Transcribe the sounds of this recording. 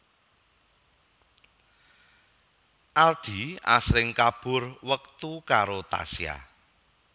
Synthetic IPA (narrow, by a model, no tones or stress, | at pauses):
ʔald̥i̤a̰sɾɪŋkab̥ʊrwək̚t̪ukaɾot̪a̰sja̰